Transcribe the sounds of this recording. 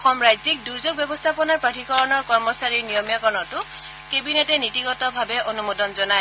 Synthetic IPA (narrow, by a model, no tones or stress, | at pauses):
ɔxɔmɹajzik̚duɹzoɡ̚bjɛbɔstʰapɔnaɹpatʰikɔɹɔnɔɹkɔɹmɔsaɹiɹnijɔmjakɔnɔtʊ | kebinɛtɛnitiɡɔtɔbʱabɛʔonumodɔnzɔnaj